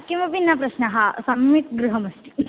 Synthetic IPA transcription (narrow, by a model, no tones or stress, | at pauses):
kĩʋɐpinːapɾɐɕnəɦasɐmːit̪ɡɾuɦəmɐsʈ̪i